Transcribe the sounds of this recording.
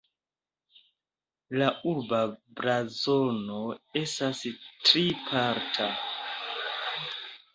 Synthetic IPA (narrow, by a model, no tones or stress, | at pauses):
lauɾbabɾazo̞no̞e̞stastɾipʰaɾtʰa